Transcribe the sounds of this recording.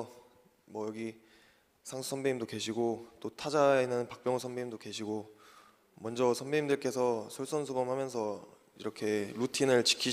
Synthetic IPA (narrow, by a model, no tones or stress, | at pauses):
mwʌjʌɡi | sʰaŋsʰu̥sʰʌnbeimdoke̞ɕʰiɡot͈otʰad͡ʑaenɯnnpak̚p͈jʌŋusʰʌnbeimdoke̞ɕʰiɡo | mʌnd͡ʑʌsʰʌnbeimdɯɭk͈e̞sʰʌsʰʌɭs͈ʰʌnsʰubʌmhamjʌnsʰʌ | ḭɾʌkʰe̞ɾutʰinɯɭt͡ɕi̥kʰi